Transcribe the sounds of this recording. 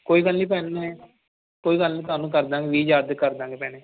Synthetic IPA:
koːiːkəlniːp̬ɛːnnaɛː | koːiːkəlnĩːt̪ʊaːnũːk̬əɾd̪ãːŋɡeʋiːd͡ʒaːd̪ekəɾd̪ãːŋɡeːpɛːneː

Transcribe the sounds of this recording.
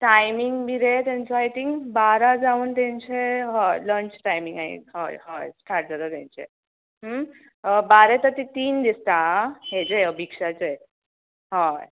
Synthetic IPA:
ʈajmiŋɡbʱiɾet̪jaɲt͡sɔajt̪iŋkbaɾad͡zauːnt̪jãɲt͡ɕeɦɔləɳt͡ɕʈajmĩŋɡaɦḭɦa̰jɦajʈʰaʈ̚d͡zat̪ɔt̪jã̰ɲt͡ɕḛ | ɦm | baɾet̪əɾt̪it̪iːnd̪ist̪aɦed͡ʑeəbʱikʂat͡se | ɦaj

